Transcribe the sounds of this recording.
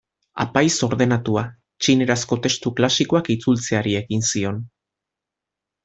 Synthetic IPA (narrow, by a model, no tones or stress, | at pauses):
a̰pajso̞ɾðe̞nat̪ua | t͡ʃine̞ɾasko̞t̪e̞st̪uklasiko̞akit͡sult͡se̞aɾie̞ɣinsio̞n